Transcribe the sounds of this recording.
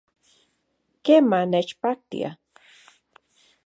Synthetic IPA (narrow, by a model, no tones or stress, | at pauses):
kemanet͡ʃpak̚t̪ḭa̰